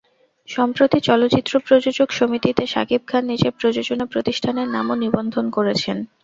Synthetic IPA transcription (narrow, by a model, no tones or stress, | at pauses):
ʃɔmpɾot̪it͡ɕɔlotːt͡ɕit̪ːɾopɾod͡ʑod͡ʑokʃomit̪it̪eʃa̰kip̚kʰanːid͡ʑepɾod͡ʑod͡ʑonapɾot̪iʃʈʰaneɾna̰monibond̪ʱonkoɾet͡ɕʰen